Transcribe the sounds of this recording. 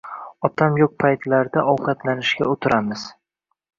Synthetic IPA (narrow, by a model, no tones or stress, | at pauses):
ɒt̪ʰamjoq̚pʰajt̪ʰlaɾd̪aʔɒwqʰɑt̪ʰlanɪʃɡʲa̰ot̪ʰɪɾamɪz̥